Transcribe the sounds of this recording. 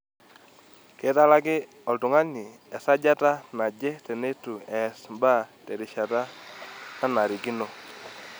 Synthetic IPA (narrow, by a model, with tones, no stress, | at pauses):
ke˨˦ta˦la˦ɡɪ˦ | ɔ˨ltʊ˨ŋa˦ni˨ | ɛ˨sa˦d͡ʒa˦ta˦na˨d͡ʒɛ˦tɛ˨ne˦tu˨ɛ˨smba˦˨te˨ɾɪ˨ʃa˨ta˦na˦na˨ɾi˨ɡi˦no˨